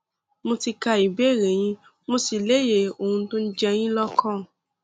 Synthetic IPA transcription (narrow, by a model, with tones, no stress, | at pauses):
mo˧ti˧ka˧i˨be˦˨ɾe˨j̃ĩ˦ | mo˧si˨le˦je˦˨o˨hũ˧˦tõ˦n̩˦d͡ʒɛ˧j̃ĩ˦lɔ˦kʰɔ̃ː˦˨